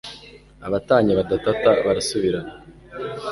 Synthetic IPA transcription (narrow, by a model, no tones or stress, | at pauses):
aβataːɲeβadatataβaɾasuβiɾana